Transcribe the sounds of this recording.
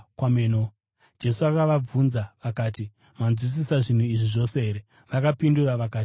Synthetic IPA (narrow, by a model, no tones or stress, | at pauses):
kwameno | d͡ʒe̞suakaʋab͡vunzaʋakaːti | manzwis̬isaʐin̤uiʐiʐo̞se̞ɦe̞ɾe | ʋakapinduraʋakaːti